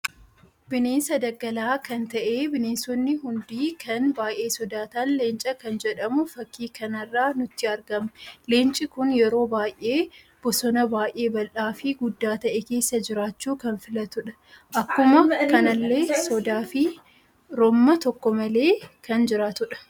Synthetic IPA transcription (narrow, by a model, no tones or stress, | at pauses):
b̥ɪneːnsɐd̪ɐɡːɐlaːkɐnt̪ɐʔe̞ːbɪneːnsɔnːɪɦʊnd̪iːkʰɐnbaːjʔe̞ːsɔd̪aːt̪aːnle̞ːnt͡ʃʼɐkɐnd͡ʒɛᶑɐmʊfɐkːiːkɐnɐrːaːnʊt̪ːɪɐɾɡɐmleːnt͡ʃʼɪkʊnjɛɾo̞ːbaːjʔe̞ː | b̥ɔsɔnɐbaːjʔʔe̞ːbɐlʔaːfɪɡʊd̪ːaːt̪ɐʔɛke̞ːsːɐd͡ʒɪɾaːt͡ʃːuːkɐnfɪlɐt̪ʊᶑɐ̥ | ʔɐkːʊmɐkɐnɐlːe̞ːsɔd̪aːfɪ | ɾɔmːɐt̪ɔkːɔmɐle̞ːkɐnd͡ʒɪɾaːt̪ʊᶑɐ̥